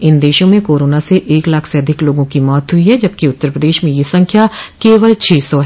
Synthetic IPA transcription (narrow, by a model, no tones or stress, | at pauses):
ɪnd̪eːʃõmẽkoːɾoːnaseʔeːklaːkʰseɐd̪ʱɪkloːɡõkimɔːt̪ɦʊiɦɛd͡ʒɐb̚kiʊt̪ːəɾpɾəd̪eːʃmẽjesɐ̃ŋkʰjakeːʋəlt͡ʃʰeːsɔɦɛ